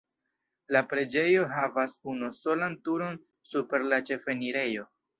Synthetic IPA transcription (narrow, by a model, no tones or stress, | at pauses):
lapɾe̞d͡ʒe̞jo̞ɦavasunuso̞lantuɾo̞n | supe̞ɾlat͡ʃe̞fe̞niɾe̞jo̞